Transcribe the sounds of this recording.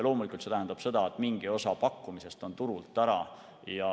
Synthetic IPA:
lo̞ːmulikult̪se̞t̪æɦænd̪ɑb̥se̞d̪̥ɑet̪ːˑmiŋɡ̥io̞sɑpɑkːumise̞st̪o̞nt̪uɾult̪ːˑæɾɑ̰ | jɑ

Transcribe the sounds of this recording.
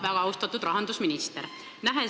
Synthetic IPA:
væɡ̥ɑɑwst̪ɑt̪ːud̪rɑɦɑnd̪usminist̪eɾ | næɦe

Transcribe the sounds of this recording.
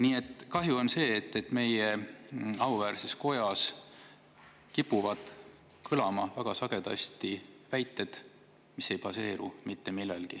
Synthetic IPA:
niːe̞t̪ːˑkɑɦjuo̞nse̞ːt̪ːe̞t̪ːˑme̞je | ɑuvæːɾsesko̞jɑs | kipːuvɑd̪̥ | kʰɯɤlɑmɑvæɡ̥ɑsɑɡ̥e̞d̪̥ɑ̰st̪ivæjt̪ːˑe̞d̪̥ | mise̞jpɑse̞ːɾumit̪ːe̞milːḛlɡ̥i

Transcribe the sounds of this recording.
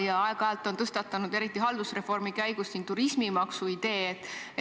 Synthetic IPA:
jɑɑeɡ̥ɑæːlt̪ːˑo̞nt̪ɤst̪ɑt̪ːˑɑnud̪e̞ɾit̪ːˑiɦɑld̪̥usre̞fo̞rmikæjɡ̥ust̪niŋ̚t̪uɾisʲmimɑksuid̪̥e̞ːet̪ːˑe

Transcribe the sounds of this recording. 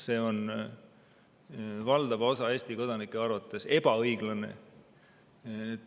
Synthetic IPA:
se̞ːo̞n | vɑld̪̥ɑvo̞sɑe̞ːst̪iko̞d̪ɑnikːˑeɑrvɑt̪ːˑe̞se̞b̥ɑɤjɡ̥lɑnḛ | et̪ː

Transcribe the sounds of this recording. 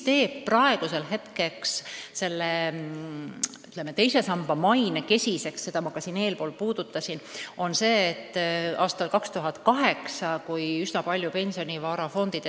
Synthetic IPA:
t̪e̞ːpprɑe̞ɡ̥use̞lɦe̞t̪keksse̞lːe | yt̪lemːet̪ejse̞sɑmb̥ɑmɑjneke̞sʲise̞ksːe̞d̪̥ɑmɑkɑsine̞ːlpo̞ːlpuːd̪̥ut̪ːˑɑsino̞nse̞ːt̪ːɑːst̪ɑlkɑkst̪uɦɑt̪kɑɦe̞ksɑkujysnɑpɑlʲjupe̞nʲsio̞nʲivɑːɾɑfo̞nd̪̥id̪̥e

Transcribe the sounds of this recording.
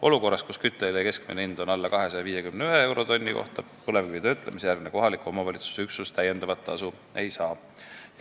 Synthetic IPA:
o̞luko̞rːɑst̪̚kuskyt̪ːˑeljɑke̞skmineind̪̥o̞nɑlːɑkɑɦe̞sɑjɑviːjekymneyɦeewɾo̞t̪o̞nʲːiko̞̰ht̪ɑ | pɤlevkivid̪ɑyt̪ːˑlemisejæɾɡ̥neko̞ɦɑlikuo̞mɑvɑlʲit̪su̥seyksust̪æjːe̞nd̪ɑvɑt̪ːɑsu | e̞jsɑː

